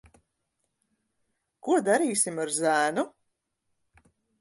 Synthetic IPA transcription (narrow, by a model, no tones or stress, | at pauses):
kuɔd̪aɾiːsʲimaɾzæːnu